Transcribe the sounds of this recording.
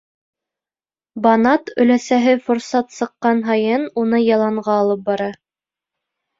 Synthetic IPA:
bɑnɑt̪ɵ̆læsæɦɘfŏɾsɑt̪sɤ̆qːɑnɦɑjɤnunɤjɑlˠɑɴʁɑːlˠɤp̚bɑɾɑ

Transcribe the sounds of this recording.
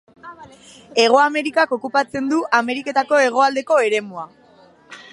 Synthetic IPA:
e̞ɣ̞o̞ame̞ɾikako̞kupat͡se̞nd̪uʔame̞ɾike̞t̪ako̞e̞ɣ̞o̞ald̪e̞ko̞e̞ɾe̞mua

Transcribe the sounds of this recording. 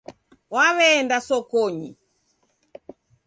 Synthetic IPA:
waβɛːndasɔkɔɲḭ

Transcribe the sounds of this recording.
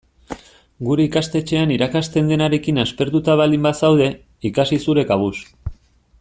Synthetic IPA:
ɡuɾe̞ikast̪e̞t͡ʃe̞aniɾakast̪e̞nd̪e̞naɾe̞kinaspe̞ɾt̪ut̪aβ̞alimbasawð̞e̞ | ikasisuɾe̞kaβ̞us

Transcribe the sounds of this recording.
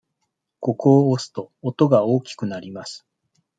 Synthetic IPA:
ko̞koːsɨ̥t̪o̞ːt̪o̞ɡaoːkʲi̥kɯ̟naɾʲimasɨ̥

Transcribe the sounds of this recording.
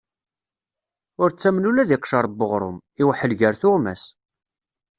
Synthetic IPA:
ʊɾt͡sːæmnulæðiqʃɑɾˤbːəʁɾˤʊ̰m | iwħəlʝəɾθʊʁmæs

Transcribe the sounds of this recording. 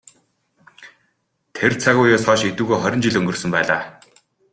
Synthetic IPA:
t̪ʰert͡sʰaɣʊːjʊːsɔːʃet̪ŭːɣoːχɔɾʲɞ̆nt͡ɕiɮɵŋɡɵ̆rsɵ̆mpæːɮa̰ː

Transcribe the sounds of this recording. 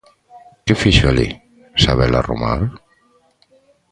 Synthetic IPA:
kefiʃali | saβelaromaɾ

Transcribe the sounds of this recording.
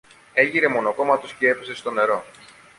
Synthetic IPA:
e̞ʝiɾe̞mo̞no̞ko̞mɐt̪oscee̞pe̞se̞st̪o̞ne̞ɾo̞

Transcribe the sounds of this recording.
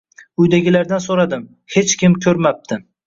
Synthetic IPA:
ʊjd̪aɡʲɪlaɾd̪ansoɾad̪ɪm | he̞t͡ʃkʲɪmkʲʰɵɾmap̚t̪ʰɪ

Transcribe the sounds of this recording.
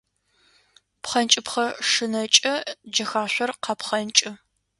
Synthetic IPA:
pχɐnt͡ʃʼɪpχɐʂɨnɐt͡ʃʼɐd͡ʒɐxaːɕʷɔrqɐpχɐnt͡ʃʼɪ

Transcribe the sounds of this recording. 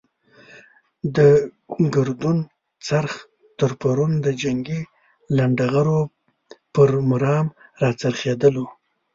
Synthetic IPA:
d̪ə | ɡaɾd̪un | t͡saɾx | t̪əɾpaɾund̪əd͡ʒaŋɡi | laɳɖaɣaɾo | pəɾmʊɾɑmɾɑt͡saɾxed̪əlo

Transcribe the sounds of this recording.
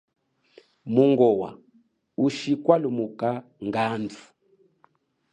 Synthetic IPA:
muŋɡɔwa̰ | uʃikwalumukaŋɡand͡zʰu̥

